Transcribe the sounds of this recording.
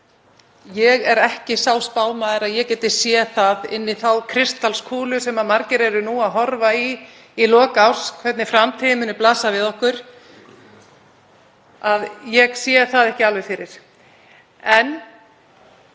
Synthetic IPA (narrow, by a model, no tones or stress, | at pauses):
jɛɣɛɾɛhcɪsawspaːwmaðɪɾaðjɛcɛːt̪ɪsjɛθaðɪnːiθawkʰɾɪst̪alskʰuːlʏsɛmamaɾcɪɾɛɾʏnuaðɦɔɾvaiː | lɔːkawskʰvɛt̪nɪfɾamt̪ʰiðɪmʏːnːɪplaːsavɪðɔhkʏɾ̥ | aðjɛɣsjɛθaðɛhcɪalvɛɾfɪɾɪɾ̥ | ɛn